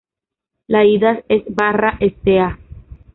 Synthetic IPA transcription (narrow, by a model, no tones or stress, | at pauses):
laiðasesbaraʔest̪ea